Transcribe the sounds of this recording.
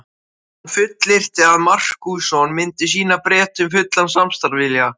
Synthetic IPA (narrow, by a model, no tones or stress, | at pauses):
hnfʏt̪lɪr̥t̪ɪaðmar̥kujsɔnmɪnt̪ɪs̬iːnapɾɛːt̪ʏmfʏt̪lansamst̪aɾvɪlja